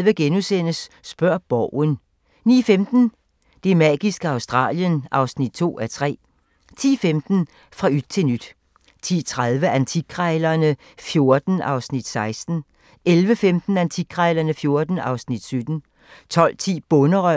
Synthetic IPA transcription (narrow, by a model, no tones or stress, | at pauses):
ʋəɡ̥enusen̰əsː | b̥ɶɐ̰b̥ɒʊ̰ən | nḭːfemd̥n̩ | d̥e̝mæ̰ːɡ̥isɡ̥əɑ̈ʊsd̥ʁɑ̰̈ːljənʔɑ̈ʊsnid̥̚t͡sʰo̝̰ːæt͡sʰʁɛ̰ː | t͡sʰḭːfemd̥n̩ | fʁɑ̈yd̥̚t͡sʰe̝nyd̥ | t͡sʰḭːt͡sʰʁaðˠʋəʔænt͡sʰiɡʰʁaɪlɐnə | fjo̝ɐd̥n̩ɑ̈ʊsnid̥sɑ̈ɪsd̥n̩ | elʋəfemd̥n̩ænt͡sʰiɡ̥̚ʰʁaɪlɐnəfjo̝ɐd̥n̩ɑ̈ʊsnid̥sød̥n̩ | t͡sʰɒ̽l̰t͡sʰḭːb̥ɔnəʁœ